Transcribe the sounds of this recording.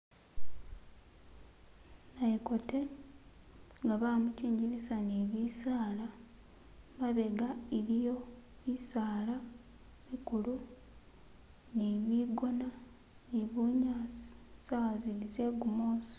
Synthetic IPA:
naiko̞te̞ | ŋɡaβaːmuciːɲɟiɾisaniβisaːla | βaβe̞ɡaiɾijo̞ | βisaːla | βikulu | niβiɡo̞na | niβuɲaːsi̥saazilize̞ɡumoːsi̥

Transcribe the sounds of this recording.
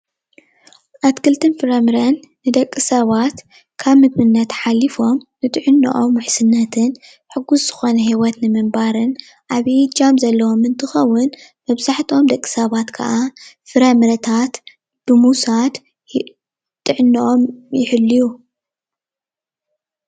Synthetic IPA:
ʔat̪kʰɨlt̪ʰɨnfɨɾɐmɨɾɐnːɨd̪ɐkʼːɨsɐβat̪ | kʰaβmɨd̪mɨnːɐt̪ħalːifo̞mnɨt̪ʼɨʕɨnːɨ̰ʔomwʊħsɨnːɐt̪ʰɨn | ħɨɡːusz̥ɨxo̞nɐɦiwɔt̪nɨmɨmbaɾɨn | ʔaβid͡ʒamzɐlːɐwo̞mɨnt̪ʰɨxɐwːʊnmɐβzaħt̪ʰo̞md̪ɐkʼːi̥sɐβat̪kʰɐ̰ʔafɨɾɐmɨɾɐt̪ʰat̪ | b̥ɨmusat̪ | t̪ʼɨʕɨnːiʔomjɪħɨlːiju

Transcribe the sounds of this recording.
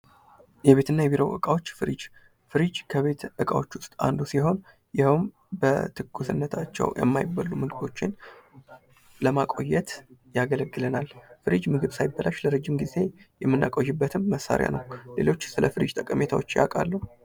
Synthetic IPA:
jɛβe̞t̪ʰɨnːajɛβiɾowʔɨ̰kʼawot͡ʃːfɨɾid͡ʒ | fɨɾid͡ʒkʰəβe̞t̪ʔɨkʼawo̞t͡ʃːwʊst̪ʼa̰nd̪usiɦo̞n | jɪhɨm | bət̪ʰɨɡːusɨnːət̪ʰat͡ʃːɛ̰wjɛ̰mːajɪbalːumɨɡɨd̪o̞t͡ʃːɪn | ləmakʼo̞jɛt̪jaɡələɡːɨlənalfɨɾid͡ʒmɨɡɨβsajɪbːəlʔaʃləɾəd͡ʒːimɡize̞jɛmːɨnːa̰kʼojːɪbːət̪ʰɨmːəsːa̰ɾja̰nəwlelo̞t͡ʃːsɨləfɨɾid͡ʒt̪ʼəkʼəme̞t̪ʰawot͡ʃːja̰kʼa̰lːəhu

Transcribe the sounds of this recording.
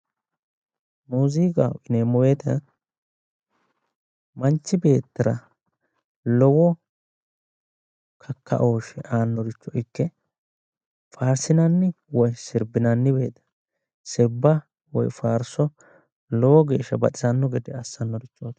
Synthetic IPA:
muːzikʼa̰ɪneːmːɔwe̞ːt̪ɐ | mɐnt͡ʃːɪbe̞ːt̪ːɐɾɐ̰ | lɔwɔ | kʰɐkːɐ̰ʔo̞ːʃɛʔaːnːɔɾɪt͡ʃːɔɪkːɛ | faːɾsɪnɐnːɪ | wɔjsɪɾbɪnɐnːɪbe̞ːt̪ɐ̥ | sɪɾbɐ | wɔ̰jfaːɾsɔ | lɔwɔɡe̞ːʃːɐbɐ̰tʼɪzɐnːɔɡɛd̪ɛɐsːɐnːɔɾɪt͡ʃːoːt̪

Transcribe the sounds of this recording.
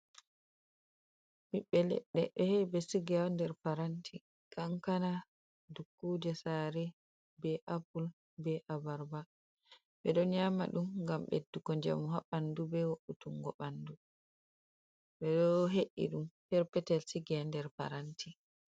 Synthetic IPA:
miɓːɛlɛ̰ɗːɛɛhɛbɛsiɡandɛɾpaɾantʰi | kʰaŋkana | dukːuːd͡ʒɛsaɾɛ | bɛʔapul | bɛʔabaɾba | ɓɛɗɔɲama̰ɗumɡamɓḛdːukɔɲd͡ʒa̰muɦaɓandubɛwoʔutuŋɡɔɓandu | ɓɛɗɔɦeʔːḭɗumpɛɾpɛtɛlsiɡɛndɛɾpa̰ɾantʰi

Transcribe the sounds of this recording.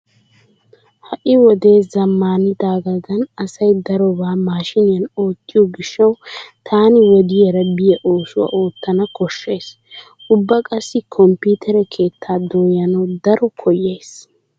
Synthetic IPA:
hɐʔɪwɔd̪e̞ːzɐmːaːnɪd̪aːɡɐd̪ɐnɐsɐjd̪ɐɾɔbaːmaːʃɪnɪjɐno̞ːt̪ːɪjɔɡɪʃːɐwt̪ʰaːnɪwɔd̪ɪjɛɾɐbɪjɛʔoːsʊwɐ̰ʔo̞ːt̪ːɐnɐkɔʃːe̞ːs | ʔʊbːɐkʼɐsːɪkʰɔmpuːt̪ʰɛɾɛkʰe̞ːt̪ʰːaːd̪oːjɐnɐwd̪ɐɾɔkʰɔjeːs

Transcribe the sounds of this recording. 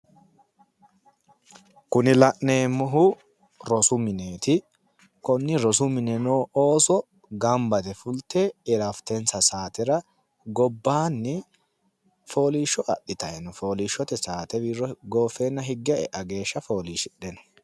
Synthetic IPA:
kʊnɪlɐʔneːmːʊɦʊ | ɾɔsʊmɪneːt̪ɪ | kɔnːɪɾɔsʊmɪnɛnoːʔoːsɔ | ɡɐmbɐt̪ɛfʊlt̪eɪɾɐft̪ɛnsɐsaːt̪ɛɾɐ | ɡɔbːaːnːɛ | fo̞ːliːʃːɔʔɐ̰ɗːɪt̪ɐɛnɔfo̞ːliːʃːɔt̪ɛsaːt̪ɛbiːrːɔɡo̞ːfːeːnːɐɦɪɡːɛɛ̰ʔɐɡe̞ːʃːɐfo̞ːliːʃɪɗɛnɔ̥

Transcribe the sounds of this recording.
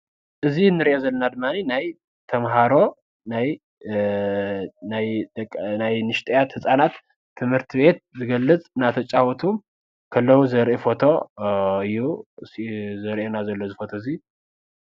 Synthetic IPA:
ʔɨzinːɨɾiʔezɐlːɐnad̪ɨmːaninaj | t̪ʰɐmɦaɾo̞ | naj | najd̪kʼːnajnɨʃt̪ʼɐjat̪hɨsʼanat̪ʰː | ɨmhɨɾt̪ʰiβe̞t̪̚zɨɡɐlːɨt͡sʼnat̪ʰɐt͡ʃʼawɔt̪ʰum | kʰɐlːɐwuzɐɾʔefo̞t̪ʰo̞ɨjːuszɐɾʔenazɐlːo̞zɨfot̪ʰoɨzi

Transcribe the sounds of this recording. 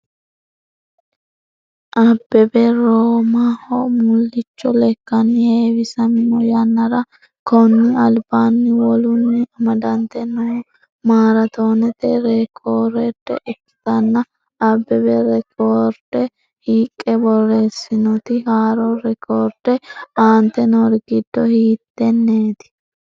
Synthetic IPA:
ʔɐbːɛbɛɾoːmahɔmʊlːɪt͡ʃːɔlɛkːɐnːɪheːwɪsɐmɪnɔjɐnːɐɾɐ | kɔnːɪɐlbaːnːɪwɔlʊnːɪɐmɐd̪ɐnt̪ɛnːɐwɔ | maːɾɐt̪o̞ːnɛt̪ɛɾɛkʰoːɾɛd̪ɛ̰ʔɪpːɪ̥t̪ɐnːɐ | ɐbːɛbɛɾɛkoːɾd̪̥ɛ | hiːkʼːɛbɔreːsːɪnɔt̪ɪhaːɾɔɾɛkʰoːɾd̪̥ɛaːnt̪ɛnɔɾɡɪd̪ːɔhiːt̪ːɛnːeːt̪ɪ̥

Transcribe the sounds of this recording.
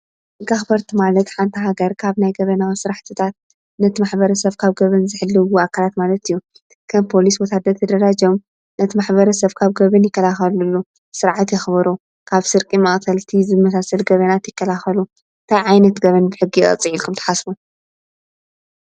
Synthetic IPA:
ɨɡaxbɐɾt̪ʰimalɐt̪ħant̪ʰɐɦaɡɐɾkʰaβnajɡɐβɐnawisɨɾaħt̪ʰɨt̪ʰat̪̚ | nɐt̪ʰimaħbɐɾɐsɐβkʰaβɡɐβɨnzɨħɨlːɨwuakʰalat̪malɐt̪ɨjːu | kʰɐmpʰo̞liswɔt̪ʰad̪ɐɾt̪ʰɐd̪ɐɾad͡ʒom | nɐt̪ʰimaħbɐɾɐsɐβkʰaβɡɐβɨnjɪkːɐlaxɐlulːu | sɨɾʕat̪jɪxbɐɾu | kʰaβsɨɾkʼimɐʔʼkʰɐlt̪ʰizɨmɐsasɐlɡɐβɐnat̪jɪkːɐlaxɐlu | ɨnt̪ʰajʕajnɐt̪ɡɐβɐnbɨħɨɡːiʔʼɐ̰t͡sʼɨʕilkʰumt̪ʰɐ̥ħasbu

